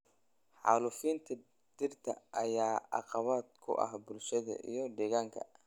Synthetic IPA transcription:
ħɑːlʊfiːnt̪ʰɐ | d̪̥ɪrt̪ʰɐʔɐjaːɑ̰qɑβaːd̪̚kʰʊ̰ʔɐ̰hbʊlʃɐðɐ̰ʔḭjɞɖ̪ɛːɣaːŋkʰɐ̰

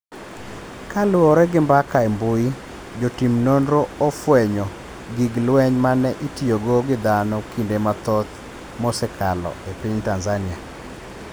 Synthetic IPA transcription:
kalwɔɾɛɡɪmbakaembʊi | d͡ʒotimnondɾoɔfwɛɲɔ | ɡiɡlwɛɲmanɛʔitioɡoɡɪd̪anɔkindemat̪ɔt̪ | mɔsɛkʰalɔ̰epiɲtanzanɪa

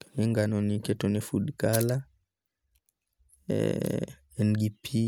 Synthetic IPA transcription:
ɛŋɡanɔnikɛtɔnɛfuɗkala | ɛnɡipʰi

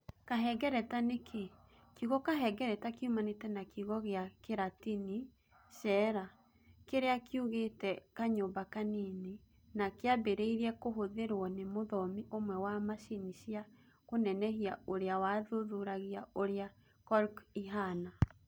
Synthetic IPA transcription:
kaɦɛɡɛɾɛtanekʰe | kiɣɔkaɦɛɡɛɾɛtakeumanetɛnakiɣɔɣeakeɾatini | ʃɛɾa | keɾeakʰiuɣetɛkaɲoːmbakanene | nakeabeɾeiɾɛkoɦoðeɾwɔnemoðɔmiʔomwɛwamaʃiniʃia | konɛnɛhiaoɾeawaðoðuɾaɣiaoɾea | kɔɾkiɦana

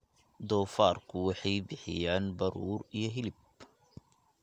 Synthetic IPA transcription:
d̪ɔːfaːrkʰʊwɑħɑjbɪħɪ̰jaːnbɐɾuːɾijɞɦɪlɪb̚

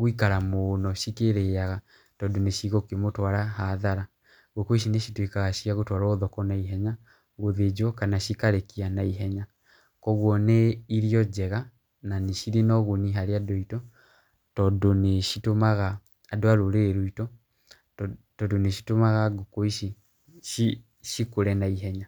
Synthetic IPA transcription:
ɣoikaɾamonɔʃikeɾejaɣa | tɔdoneʃiɣɔkemotwaɾaɦaðaɾa | ɣokoiʃineʃitwikaɣaʃiaɣotwaɾɔːðɔkɔnaiɦɛɲa | ɣoðed͡ʒwɔkanaʃikaɾekianaiɦɛɲa | kɔɣwɔneiɾiɔd͡ʒɛɣa | naneʃiɾinɔɣoniɦaɾeadɔitɔ | tɔdoneʃitomaɣaː | doaɾoɾeːɾoitɔ | tɔdoneʃi̥tomaɣaɡokoiʃi | ʃi | ʃikoɾɛnaiɦɛɲa

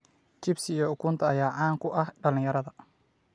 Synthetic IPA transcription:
t͡ʃɪbsɪjɔʊkʰuːnt̪ʰɐɐjaːʕɑːŋkʰʊʔɐhɖɐlɪ̃ŋjɐɾɐðɐ

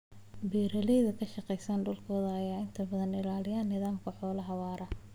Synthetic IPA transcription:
biːɾɐlɛjðɐkʰɐʃɑqɛjsaːnɖʊlkʰɔːðɐɐjaːɪnt̪ʰɐbɐðɐnɪlaːlɪjaːnːɪðaːmkʰɐħɔːlɐɦɐwaːɾɐ

